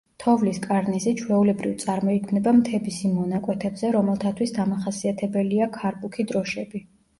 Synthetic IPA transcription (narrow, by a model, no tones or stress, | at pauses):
t̪ʰɔvliskʼaɾnizit͡ʃʰwɛulɛbɾivt̪sʼaɾmɔikʰmnɛbamt̪ʰɛbisimɔnakʼwɛt̪ʰɛbzɛɾɔmɛlˠt̪ʰat̪ʰwisd̪amaχasiat̪ʰɛbɛliakʰaɾbukʰid̪ɾɔʃɛbi